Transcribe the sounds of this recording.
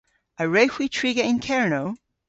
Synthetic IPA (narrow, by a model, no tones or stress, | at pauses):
ʔəɹehwitʰɹ̥iɡəɪ̃nkʰɛɹnoʊ